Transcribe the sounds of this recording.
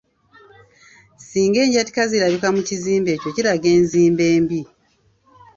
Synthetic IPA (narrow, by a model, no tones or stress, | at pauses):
siːŋɡe̞ːɲɟati̥kaziɾaɾukamuciziːmbe̞ːco̞ciɾaɡe̞ːnziːmbe̞ːmbi